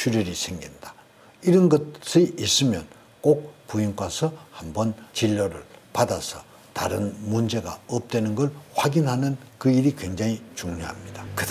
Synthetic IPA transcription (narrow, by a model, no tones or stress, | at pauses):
t͡ɕʰuɾjʌɾisʰe̞ŋɡindḁ | iɾʌnɡʌs͈iʔis͈ɯmjʌn | k͈ok̚puinkwasʰʌhambʌnt͡ɕiʎːʌɾɯ̰ɭpadasʰʌ | taɾɯnmund͡ʑe̞ɡa̰ʌp̚t͈wenɯnɡʌɭɸwaɡinɦanɯnkɯiɾikweŋd͡ʑaŋit͡ɕuŋɲoɦa̰mɲid̥akɯ